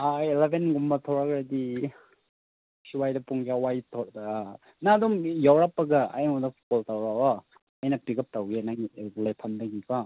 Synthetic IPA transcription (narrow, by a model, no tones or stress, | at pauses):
ailebenɡumbɐtʰɔɾakɾadi | siwajdɐpuŋɡawajtʰɔɾdɐ | nadumjawɾapːɐɡɐa̰jmudɐsʰu̥kɔltawɾawaː | jnɐpiɡɐp̚tawɡianaɡilapʰandɐɡika